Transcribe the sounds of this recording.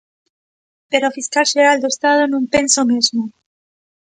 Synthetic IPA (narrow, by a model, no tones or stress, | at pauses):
pe̞ɾofiskalseɾald̪oest̪aðonũmpe̞nsomezmo